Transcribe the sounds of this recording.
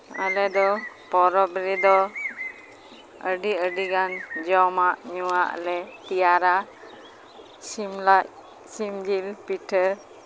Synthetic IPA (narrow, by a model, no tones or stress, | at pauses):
ə̰lɛd̪ɔ | pɔɾɔbɾɛd̪ɔ | əɖiəɖiɡand͡ʒɔmaʔɲuwaʔə̰lɛt̪ijaɾa | simlaʔ | simd͡ʒilpiʈʰə